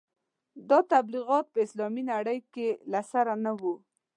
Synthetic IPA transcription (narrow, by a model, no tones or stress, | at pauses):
d̪ɑt̪abliɣɑt̪̚pəɪslɑminaɽəjkelasaɾanawu